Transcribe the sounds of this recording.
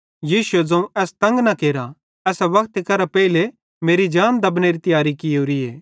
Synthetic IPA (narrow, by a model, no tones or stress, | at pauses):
jiːsʊed͡zɐ̃ũʔɛːst̪ɐ̃ŋɡnakeːɾa | ɛːsaʋɐkʰt̪ekɐɾapɛːile | meːɾid͡ʒaːnd̪ɐbneɾit̪ɪjaːɾikɪjoːɾieː